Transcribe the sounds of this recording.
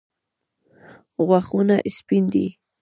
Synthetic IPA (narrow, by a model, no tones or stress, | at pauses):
ɣwaχunaʔɪspɪnd̪ḭ